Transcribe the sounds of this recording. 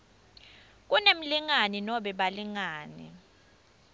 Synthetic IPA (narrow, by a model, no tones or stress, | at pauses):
k̬unem̩liŋaninɔɓɛɓaliŋaːnḭ